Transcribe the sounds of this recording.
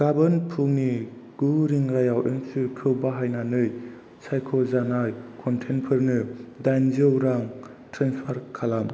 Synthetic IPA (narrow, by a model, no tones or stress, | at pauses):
ɡ̥abɯnpʰuŋniɡ̥uɾiŋɾajawʔeŋsɯkʰɯwbaɦajnanɯj | sajkʰɔzanajkʰɔntʰenpʰɯɾnɯdajnzɯwɾaŋ | tɾanspʰaɾkʰalam